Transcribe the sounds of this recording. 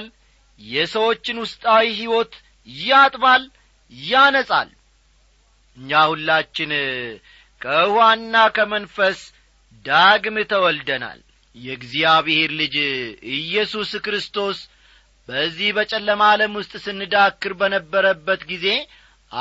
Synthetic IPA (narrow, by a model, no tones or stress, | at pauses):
l | jɛsəwo̞t͡ʃːɪnwʊst̪ʼawiɦiwo̞t̪ | jat̪ʼbal | jːanəsʼa̰l | ɨɲːahulːat͡ʃːɪn | kʰəɨhwanːakʰəmənfəs | d̪aɡmɨt̪ʰəwɔld̪əna̰l | jɛɡzijaβɨheɾlɨd͡ʒɨjːɛsuskɾɨst̪ʰo̞s | bəzːihbət͡ʃʼɛlːəmaləmwʊst̪ʼsɨnːɨd̪akːɨɾbənəbːəɾəbːət̪ɡize̞ | ʔa